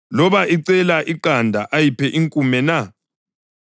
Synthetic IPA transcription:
lɔβaʔiǀɛlaʔiǃandʱaʔajipʰɛʔiŋkʼumɛna

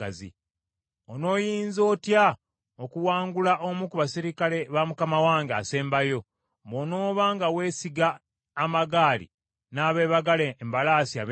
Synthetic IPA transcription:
azḭ | ono̞ːjiːnzo̞ːtja | okuwaːŋɡulaʔomukuβasiɾikale̞βamukamawaːŋɡa̰se̞ːmbajo̞ | bo̞no̞ːβaːŋɡawe̞ːsiɡaː | maɡaːlḭ | naːβe̞ːβaɡalembalaːsiaβ

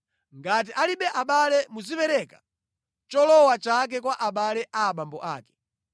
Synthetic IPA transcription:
ŋɡat̬iʔaliɓɛʔaɓalɛmuzipɛɾɛkḁ | t͡ʃɔlɔwat͡ʃak̬ɛkwaʔaɓalɛʔaːɓambɔʔa̰ːkɛ̥

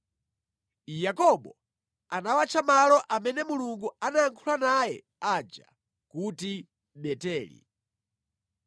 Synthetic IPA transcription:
jakɔɓɔ | anawat͡ʃʰamalɔʔamɛnɛmuluŋɡuanaːŋkʰulanajɛ | ad͡ʒa̰ | kuti | ɓɛtɛːlḭ

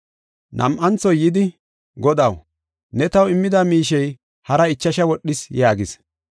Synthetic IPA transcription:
nʔɐ̰mʔɐnt͡sɔjɪd̪ɪ | ɡɔd̪ɐw | nɛt̪ɐwɪmːɪd̪ɐmiːʃɛj | hɐɾɐɪt͡ʃːɐʃɐwɔɗːɪsjaːɡɪs

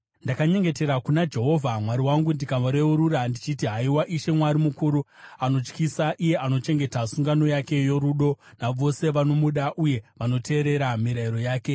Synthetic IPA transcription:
ndakaɲe̞ŋɡe̞te̞ɾakunad͡ʒe̞ɦo̞vʱamwaɾiwaŋɡundikaʋoɾe̞uɾuɾandit͡ʃitiɦaiwaʔiʃe̞mwaɾimukuɾuano̞t͡ʃkisaʔije̞ʔano̞t͡ʃe̞ŋɡe̞tasuŋɡano̞jake̞joɾuɗo̞naʋo̞se̞ʋano̞muɗaʔuje̞ʋano̞tʰe̞ːɾe̞ɾamiɾaiɾo̞jaːke̞

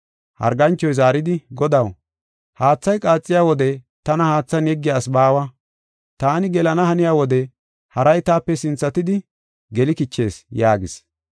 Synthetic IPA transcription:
hɐ̰ɾɡɐnt͡ʃːɔjzaːɾɪd̪ɪɡɔd̪ɐw | haːt͡sːɐjkʼaːt͡sʼːɪjaːwɔd̪ɛ | t̪ɐnɐhaːt͡sːɐnjɛɡːɪjaːsbaːwɐ | t̪aːnɪɡɛlɐnɐhɐnɪjaːwɔd̪ɛ | hɐɾɐjt̪aːpːɛsɪnt͡sːɐt̪ɪd̪ɪ | ɡɛlɪkɪt͡ʃːe̞ːsjaːɡɪs

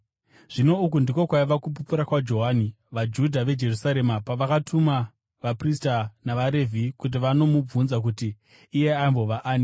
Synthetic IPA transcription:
ʐ̥ino̞ukundiko̞kwaiʋakup̬upuɾakwad͡ʒo̞ɦani | ʋad͡ʒudʱaʋe̞d͡ʒe̞rusaɾe̞mapaʋakatʰuma | ʋapristanaʋaɾe̞vʱikut̬iʋano̞mub͡vunzak̬utiː | je̞aimbo̞ʋaʔaːni

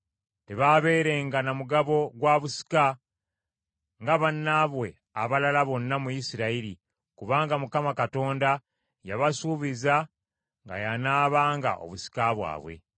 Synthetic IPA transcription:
te̞βaβe̞ːɾe̞ŋɡanamuɡaβo̞ɡwaːβusi̥ka | ŋɡaβanːaβwe̞ | aβalalaβo̞nːamujisiɾaiɾi | kuβaːŋɡamukamakato̞ːnda | jaβasuːβiza | ŋɡa̰janaːβaːŋɡa̰ʔo̞̰βusi̥kaβwa̰ːβwḛ

